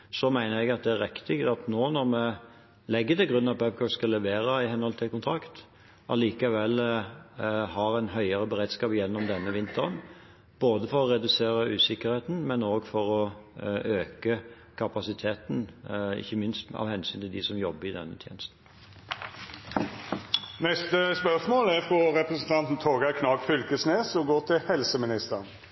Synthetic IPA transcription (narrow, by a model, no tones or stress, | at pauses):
sɔmæɪnəʁɛɡɑt̪̚d̪ɛæʁɪkt̪ɪɡt̪ɑt̪noːnɔʁmɛ | lɛɡːət̪ɪlɡʁʉnːɑpɛp̚ɡɔskɑlɛʋeːʁəɪhɛnhɔlt̪ʰɪlkʊnt̪ʰʁɑkt̪ | ʔɑliːkɑʋɛl | hɑʁæɪnɦœʏəʁəbəʁeːd̪skɑːpjɛnːɔmd̪ɛnːəʋɪnt̪əʁən | b̥oːd̪əfɔʁɔʁɛd̪ʉseːʁəʔʉːsɪkəʁheːt̪n̩mɛnoːɡfɔɾɔ | øːkə | kʰɑpɑsɪt̪ʰeːt̪n̩ɪ̰çːəmɪnst̪ɑ̰ʋhɛnsyːnt̪ʰɪld̪ɪsɔmjɔbːəɾɪd̪ɛ̰nːət̪ʰjḛːnəst̪n̩ | nɛst̪əspœʂmoːlæɾfʁɔɾɛpɾɛsənt̪ʰɑnt̪n̩t̪ʰoːɡɑkʰnɑːɡfʏlkəsneːsɔɡoːt̪ʰɪlhɛlsəmɪnɪst̪ən